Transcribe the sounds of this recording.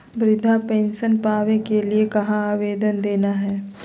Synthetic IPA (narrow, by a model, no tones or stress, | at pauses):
bɾɪd̪ʱapɛ̃ːnʃənpaːʋẽkeliekɐɦãaːʋeːd̪ənd̪eːnaɦɛː